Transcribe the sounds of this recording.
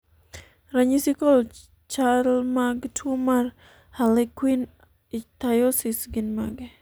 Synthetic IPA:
ɾaɲisikɔl | t͡ʃaɾlmaɡtʰumar | halekwin | it̪ajosisɡinmaɡe

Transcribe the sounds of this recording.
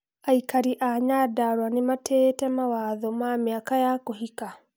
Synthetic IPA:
aikaɾiʔaɲadaɾwanematʰɛtɛmawaðɔmamiakajakoɦika

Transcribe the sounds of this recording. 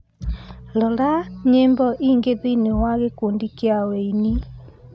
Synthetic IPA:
lɔlaɲeːmbɔʔiːŋɡeðinewaɣekondikeaweini

